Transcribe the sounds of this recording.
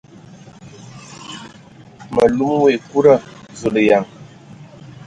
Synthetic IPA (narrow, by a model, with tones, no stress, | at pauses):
mə˨lu˦m˦we˨ku˦ɾə˦˨zu˨ɗə˨ja˨ŋ